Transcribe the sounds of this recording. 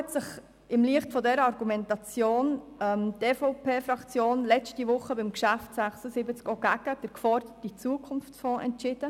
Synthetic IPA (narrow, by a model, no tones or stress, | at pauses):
ɛtsɪχ | ɪmliəχtfɔdɛɾəɑɾɡumɛntɑt͡sjoːn | ɛmteːfopʰeːfɾɑkt͡sjoːnlɛt͡stivʊχːəbɪmkʃæftsæχsəsɪbət͡skoɡ̥æɡ̥əd̥əɾkfɔɾd̥ətit͡suəkʰʊnft͡sfɔ̃ːʔɛ̰ntt͡ʃɪd̥ə